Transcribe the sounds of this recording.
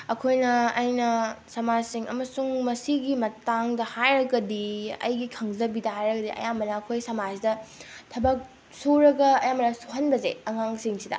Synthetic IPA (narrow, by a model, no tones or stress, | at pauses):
ɐkʰojnɐːjnɐsɐmad͡ʒsiŋʔɐ̰mɐsuŋmɐsiɡimɐtaŋdɐhajɾɐɡɐdiɐ̰jɡikʰɐŋzɐbidɐhajɾɐɡɐdiʔɐ̰jamːɐnɐːkʰojsɐmad͡ʒdɐtʰɐbɐk̚ | soɾɐɡɐɐjamɐnɐsoɦɐnbɐzeɐŋaŋsiŋsidɐ̰